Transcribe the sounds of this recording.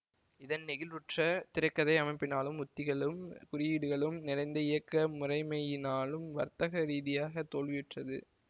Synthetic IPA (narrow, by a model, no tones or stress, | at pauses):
ɪðɐnnɪɣɪlʋɪʈrɐt̪ɪɾɐkːɐðɐɪɐmɐɪpːɪnaːlɯmʊt̪ːɪɣɐɭɯmkʊrɪjiːɽɯɣɐɭɯmnɪɾɐɪnd̪ɐɪjɐkːɐmʊrɐɪmɐjɪnaːlɯmʋɐɾt̪ɐɣɐɾiːðɪjaːɣɐt̪ːoːlʋɪjɪʈrɐðɯ̰